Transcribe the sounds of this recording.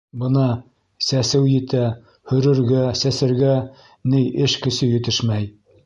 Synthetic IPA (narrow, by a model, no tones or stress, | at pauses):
bɤ̆nɑ | sæsɘwjɘ̆t̪æ | hɵ̆ɾɘ̆ɾɡæsæsɘ̆ɾɡæ | nɘjɘʃkɘ̆sɘjɘ̆t̪ɘʃmæj